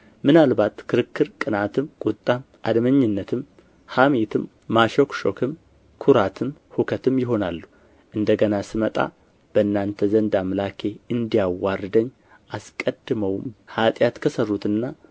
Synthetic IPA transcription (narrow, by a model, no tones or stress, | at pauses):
mɨnalbat̪kʰɨɾɨkʰːɨɾkʼɨnat̪ʰɨmkʼut̪ʼːam | ʔa̰d̪məɲːɨnːət̪ʰɨm | hamet̪ʰɨmː | aʃokʃo̞kʰɨm | kʰuɾat̪ʰɨmhukʰət̪ʰɨmjɪɦo̞nalːu | ʔɨnd̪əɡənasɨmət̪ʼa̰ | b̥əɨnːant̪ʰəzənd̪amlakʰe̞ɨnd̪ijawːaɾd̪əɲː | ʔaskʼəd̪ːɨməwhat̪ʼjat̪kʰəsərːut̪ɨnːa